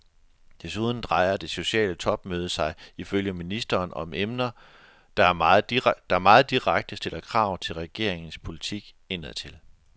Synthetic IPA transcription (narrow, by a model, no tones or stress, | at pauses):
d̥e̝suːð̞ˠn̩d̥ʁɑ̈ɪɐd̥e̝so̝ɕɛ̰ːlət͡sʰɒ̽b̥̚møːð̞ˠəsɑ̈ɪiføljəminisd̥ɐːnɒ̽mʔemnɐ | d̥ɑɐd̥ɑ̈æɐmɑ̈ːð̩ˠd̥iʁaɡ̥̚d̥əsd̥e̝lɐkʰʁɑ̈ʊ̰t͡sʰe̝lʁɛɡ̥e̝ɐ̰eŋn̩spʰo̝lit͡sʰiɡ̥ | e̝nəðˠt͡sʰe̝l